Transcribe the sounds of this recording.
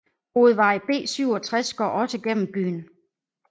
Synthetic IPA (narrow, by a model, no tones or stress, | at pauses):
ho̝ːð̞̩ˠʋɑ̈ɪb̥e̝̰ːsyʊɒ̽t͡sʰʁasɡ̥ɒ̰ːɒ̽səɡ̥en̰m̩b̥y̰ːn